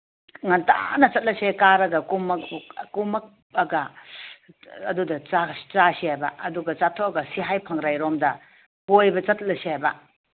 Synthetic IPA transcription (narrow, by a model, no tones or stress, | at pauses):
ŋɐnta̰nɐt͡ʃɐt̚lɐsekaɾɐɡɐkumɐkkumɐk̚ | ɐɡɐ | dudɐt͡ʃat͡ʃasihajbɐɐduɡɐt͡ʃatʰoɐɡɐsiɦajpʰɐŋɾajɾomdɐ | kojbɐt͡ʃɐt̚lɐsiajbɐ